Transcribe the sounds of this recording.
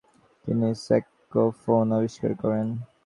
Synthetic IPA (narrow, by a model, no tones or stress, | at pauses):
t̪inisɛkː | ofonɔbiʃka̰ɾkɔɾen